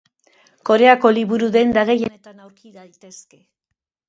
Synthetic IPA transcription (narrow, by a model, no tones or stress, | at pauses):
ko̞ɾe̞ako̞liβuɾuðe̞nd̪aɣejene̞t̪anawɾkiðajt̪e̞ske̞